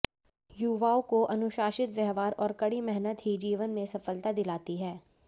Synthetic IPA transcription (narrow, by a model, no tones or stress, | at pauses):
juːʋaːokoʔɐnʊʃaːʃɪt̪ʋɛɦʋaːɾɔːɾkɐɽimɛɦnət̪ɦid͡ʒiːʋənmẽsɐfəlt̪ad̪ɪlaːt̪iɦɛː